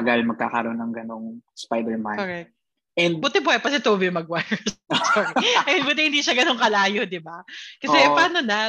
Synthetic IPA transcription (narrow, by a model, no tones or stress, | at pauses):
ɐɡɐlmɐɡ̚ka̰ːkɐɾonːɐŋɡɐnoŋspajd̪ɛɹmanoɾɛk̚t̪̚ | ʔɛbʊt̪ɛbʊɐjpɐsɛt̪obɪmɐɡ̚wajɛskoɾɛɐjhɪbʊt̪ɛhɪnd̪iːʃɐɡɐno̞ŋkɐlaːjo̞d̪ɪbakɐsɛpaːnona